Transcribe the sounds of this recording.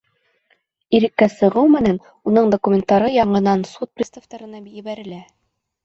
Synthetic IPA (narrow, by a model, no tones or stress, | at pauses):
iɾɘ̆kːæsɤ̆ʁɤwmɘ̆næn | unɤɴd̪okumʲent̪ɑɾɤjɑɴɤ̆nɑnsut̪̚prʲist̪aft̪ɑɾɤ̆nɑbjɘ̆βæɾɘ̆læ